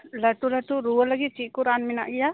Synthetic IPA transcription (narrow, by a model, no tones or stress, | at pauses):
lɐt̪ulət̪uɾuələɡit͡ʃikuɾaːnmina̰ʔɡja